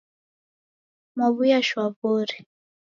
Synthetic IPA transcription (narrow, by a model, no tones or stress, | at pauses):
maβujaʃwaβoɾi